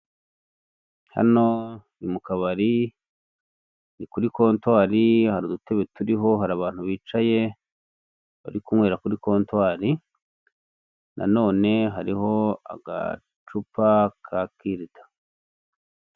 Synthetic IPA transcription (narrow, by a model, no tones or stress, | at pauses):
ha̰no̞ | imukaβaɾi | nikuɾiko̞ːntwaːɾihaɾudute̞βe̞tuɾiɦo̞ɦaɾaβaːn̥huβiːt͡ʃaje̞ | βa̰ɾikumŋwe̞ːɾakuɾiko̞ːntwaːɾi | nʔa̰no̞ːne̞ɦaɾiɦo̞a̰ɡa̰ | t͡ʃupakʰakiɾitḁ